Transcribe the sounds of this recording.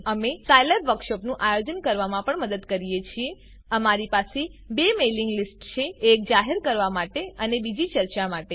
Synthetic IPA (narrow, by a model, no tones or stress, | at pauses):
əmesajləɾʋəɾkʃɔpnũʔajod͡ʒənkəɾʋamãpəɳməd̪əd̪kəɾijet͡ʃʰie | əmaɾipasebemeliŋɡlisʈt͡ʃʰeːk̚d͡ʒaɦeɾkəɾʋamaʈeənebid͡ʒit͡ʃəɾt͡ʃamaʈe